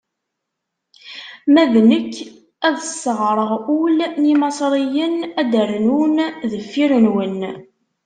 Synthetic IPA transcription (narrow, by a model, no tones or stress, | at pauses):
mæðnəkː | æðəsːəʁɾˤəʁʊlimɑsˤɾˤijənæd̪əɾnunðəfːiɾənwən